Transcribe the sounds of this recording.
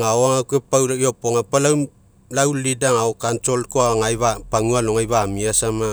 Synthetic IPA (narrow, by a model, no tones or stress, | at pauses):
ŋawaŋakuepawɾaiopoŋapalaw | lawlidaŋaokantolkoaŋajβapaŋualoŋajβamiasama